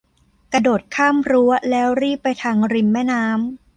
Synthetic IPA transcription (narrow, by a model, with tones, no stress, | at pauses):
kɾa˧doː˨˩t̪̚kʰaː˥˩mɾu˦˥ɐlɛː˦˥wɾiː˥˩pːa˧jt̪ʰaː˧ŋɾi˧˩nmɛː˥˩naː˦˥m